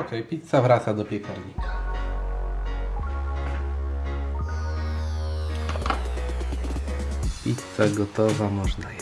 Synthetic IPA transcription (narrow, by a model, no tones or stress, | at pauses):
ɔkɛjpʲit̪savɾat̪sad̪ɔpʲjɛkʰaɾɲikʰḁ | pʲit̪saɡɔt̪ɔvamɔʐna